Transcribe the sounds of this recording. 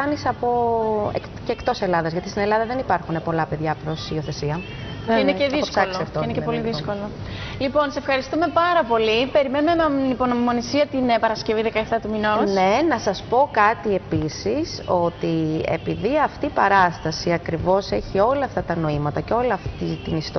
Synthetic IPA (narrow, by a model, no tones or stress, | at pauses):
ɐnisɐpo̞ḛk | cekt̪o̞se̞lɐðɐzʝɐt̪ist̪ine̞lɐðɐðe̞nipɐɾxune̞po̞lɐpe̞ðʝɐpɾo̞sio̞θe̞siɐ | ineeðioskolsɐft̪oinecepo̞lliðisko̞lolipo̞nsefxɐɾist̪ume̞pɐɾɐpo̞lipe̞ɾimenumemɐipo̞nomimo̞nisiɐt̪inpɐɾɐsceviðekɐeft̪ɐt̪uminone̞nɐsɐspo̞kɐt̪ie̞pisiso̞t̪ie̞̰piðiɐft̪iːpɐɾɐst̪ɐsiɐkɾivo̞se̞çio̞lɐːft̪ɐt̪ɐno̞imɐt̪ɐceo̞lɐft̪it̪inist̪o